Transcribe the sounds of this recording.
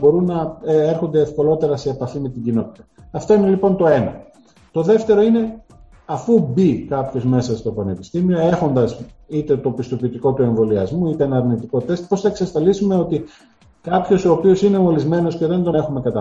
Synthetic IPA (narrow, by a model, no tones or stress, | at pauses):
bo̞ɾunːɐeɾxo̞nd̪eːfko̞lo̞t̪e̞ɾɐse̞ːpɐθinit̪iɲɟino̞t̪i̥t̪ɐː | ft̪o̞ine̞lipo̞nt̪o̞e̞nɐ | t̪o̞ðe̞ft̪e̞ɾo̞ine̞ | ɐfubikɐpço̞zme̞sɐst̪o̞pɐne̞pist̪imio̞e̞xo̞nd̪ɐs | it̪e̞t̪o̞pist̪o̞pit̪ikot̪ue̞ɱvo̞liɐ̰zmuit̪eenɐɾnit̪iko̞t̪e̞st̪̚po̞sθɐeksɐsfɐlisume̞o̞t̪i | kɐpço̞soːpio̞sine̞o̞lizme̞no̞sce̞ðe̞nd̪o̞ne̞xume̞kɐt̪ɐ